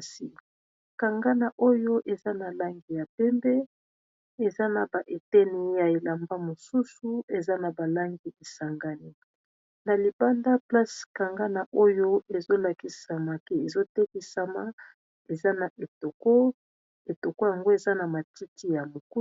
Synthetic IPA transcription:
si˨ | ka˨ŋɡa˦na˨ʔo˦jo˦ʔe˨za˦na˨la˦ŋɡi˨ja˨pɛ˦mbɛ˦ | e˨za˦na˨ba˨ʔe˨tɛ˦ni˦ja˨e˨la˨mba˦mo˨su˦su˦e˨za˦na˨ba˨la˦ŋɡi˦e˨sa˨ŋɡa˦ni˦ | na˨li˨ba˦nda˦pla˦ska˨ŋɡa˦na˨ʔo˦jo˦e˨zo˦la˨ki˨sa˨ma˨ke˦e˨zo˦tɛ˦ki˦sa˦ma˨ | e˨za˦na˨ʔe˨to˨ko˦ | e˨to˨ko˦ja˨ŋɡo˦e˨za˦na˨ma˨ti˦ti˦ja˨mo˨ku˦

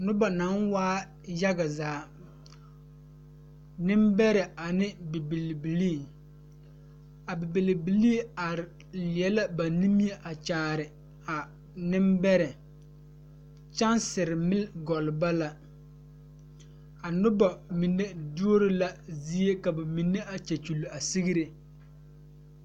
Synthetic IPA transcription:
nʊ˦ba˨na˨˦nwaː˦ | ja˦ɡa˨zaː˨˦ | nɪ˦mbɛ˦ɾɛ˨a˨nɪ˦bi˨bi˨lbi˨li˦˨ | a˨bɪ˨bi˨lbi˨li˦a˨ɾɪ˨ | lɪ˨ɛ˦la˦ba˨ni˦mi˦e˦ʔa˨t͡ʃaː˨ɾɪ˨ | a˨ | nɪ˦mbɛ˦ɾɛ˨ | t͡ʃa˦nsɪ˨ɾɪ˨mɪ˦lɡɔ˨lba˦la˦ | a˨nʊ˦ba˨mi˨nːe˦du˦o˦ɾɪ˦la˦zi˦e˦ka˨ba˨mi˨nːe˦a˨t͡ʃɛ˨t͡ʃu˨lu˨a˨si˦ɣi˦ɾe˨

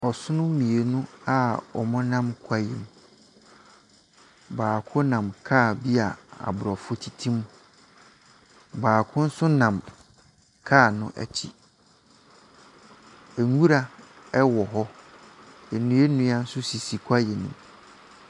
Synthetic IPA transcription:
ɔ˨sʊ˦nʊ̃˦mĩ˨e˨nũ˦a˦ɔ̰˨mʊ̃˦nã˦mkʷʰa˦jɛ̰˨m˨ | baː˨kʰʊ̃˦nã˨mkʰaː˦˨bi˦a˨a̰˨bʊ˨ɾɔ˨fʊ˦tʰi˦tʰĩ˦m | baː˨kʰʊ̃˦n̩˦sʊ˦nã˨m | kʰaː˦˨nʊ̃˦ʔæ̰˨t͡ɕʰḭ˦ | e˨ŋu˦ɾa˨ | ɛ˦wɔ˨ɦɔ˦ | e˨nũ˨e˦nũ˦a˦n̩˦sʊ˦si˨si˨kʷʰa˦je˨nḭ̃˨m

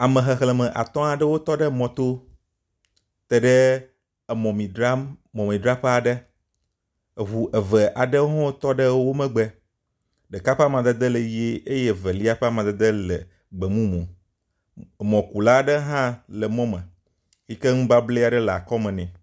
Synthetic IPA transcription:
a˨mə̃˨ɦɛ˨xlɛ˨mɛ̃˨ʔa̰˨t̪ɔ̃˦a˨ɖɛ˦wo˦t̪ɔ˦ɖɛ˦mɔ̃˨t̪o˦ | t̪ɛ˨ɖɛ˦˨ | mɔ̃˨mĩ˨ɖɾa˦mɔ̃˨mĩ˨ɖɾa˦ɸe˦a˨ɖɛ˦˨ | ɦu˨ʔɛ˨vɛ˨ʔa˨ɖɛ˦ɦɔ̃˦t̪ɔ˦ɖə˦wo˦mɛ̃˦ɡ͡bɛ˦ | ɖɛ˨ka˦ɸa˦mã˨d̪ɛ˦d̪ɛ˦le˨ji˦e˦ʔe˦je˦vɛ˨li˦a˦ɸɛ˦a˦mã˨d̪ɛ˦d̪ə˦lɛ̰˨ | ɡ͡bɛ˨mũ˦mɔ̃˨ | mɔ̃˨ku˨la˦ɖə˦ɦã˦lɛ˨mɔ̃˦mə̃˨ | fi˦ke˦ŋũ˦ba˦ble˦a˨ɖɛ˦la̰˨kɔ˦mɛ̃˨nɛ̃˨

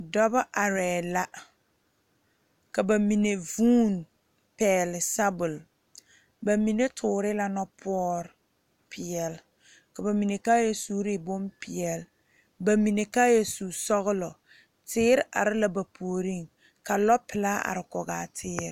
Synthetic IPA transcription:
dɔ˦ba˦ʔa˨ɾɛː˨la˦ | ka˨ba˨mi˨ne˨vuː˦n | pɛː˨lɪ˨sa˦bʊ˨l | ba˨mi˨ne˦tʰʊː˨ɾɪ˦la˦nɔ˦pʰʊ˦ɔ˦ɾ | pʰɪ˨ɛ˨l | ka˨ba˨mi˨ne˨ka˦jɛ˦su˦ɾɪ˦bo˦mpɪ˨ɛ˨l | ba˨mi˨ne˨kaː˦jɛ˦su˨sɔ˦ɣʊ˦lɔ˨ | tɪː˦ɾa̰˨ɾɪ˦la˨ba˨pʰoː˨ɾi˦˨ŋ | ka˨lɔ˦pɪ˨la˦a̰˨ɾɪ˨kɔ˨ɣaː˨tʰɪː˦ɾ

